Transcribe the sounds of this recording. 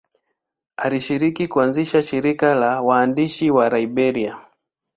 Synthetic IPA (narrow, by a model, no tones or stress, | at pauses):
aliʃiɾikikuanziʃaʃiɾikalawaːndiʃiwaɾaibɛɾia